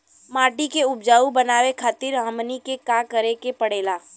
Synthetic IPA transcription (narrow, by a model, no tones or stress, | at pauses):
maːʈikeʊb̚d͡ʒaːubɐnaːwekʰaːt̪ɪɾɦəmnikekãːkəɾekepɐɽeːlaː